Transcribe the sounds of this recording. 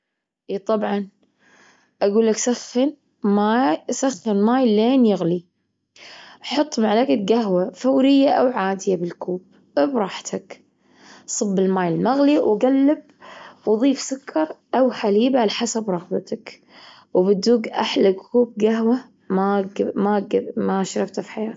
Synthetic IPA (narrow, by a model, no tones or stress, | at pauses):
ʔiːt̪ˤɑbʕɑn | ʔaɡuːlːaksaxːɪn | masaxːɪnmaːjleːnjɪɣli | ʔħʊt̪ˤːmaʕlakaɡaɦwafawɾɪjːaʔawʕaːd̪ɪjabɪlkuːb̥̚ | bɾˤɑːħt̪ʰak | sˤɨbːɪlmaːjɪlmaɣliwɡalːɪb̚ | wðˤiːfsʊkʰːɑɾˤʔawħaliːbaʕalaħasabɾˤɑɣbat̪ak | wbɪd̪uːɡʔaħlaɡkuːb̚ɡaɦwa | mamaɡmaʃɾˤɑbt̪afi̥ħajaːt̪